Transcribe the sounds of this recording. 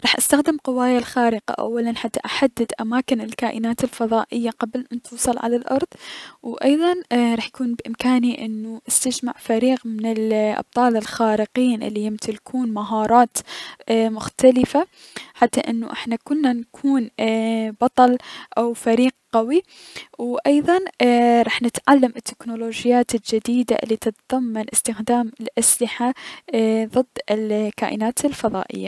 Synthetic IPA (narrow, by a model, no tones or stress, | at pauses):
ɾˤɑːħʔast̪axd̪ɪmqɨwaːjalxaːɾɪqa̰ʔa̰wːalanħat̪ːaʔaħad̪ːɪd̪ʔamaːkɪnɪlkaːʔɪnaːt̪ɪlfɑðˤɑːʔɪjːaqablɪnt̪uːsˤɑlʕa̰lalʔɑ̰ɾˤðˤwʔɑjðˤɑnɾˤɑːħjakuːnbʔɪmkaːniʔɪnːuʔast̪ad͡ʒmaʕfaɾiːqmɪnɪlʔɑ̰b̥̚t̪ˤɑːlɪlxaːɾɪqiːnʔɪ̰lːijɪmt̪ɪlkʰuːnmaɦɑːɾˤɑːt̪ | mʊxt̪alɪfaħat̪ːaʔɪnːʊʔɪħnakʊnːankʰuːnbɑt̪ˤɑlʔawfaɾiːq̚qawi | wʔɑjðˤɑnɾˤɑːħnɪt̪ʕalːamɪt̪ːɪknuloːd͡ʒɪjaːt̪ɪld͡ʒɪd̪iːd̪a̰ʔɪ̰lːit̪ɨt̪ðˤɑmːanʔɪst̪ɪxd̪aːmɪlʔaslɪħa | ðˤɨd̪ːɪlka̰ːʔɪnaːt̪ɪlfɑðˤɑ̰ːʔɪ̰jːa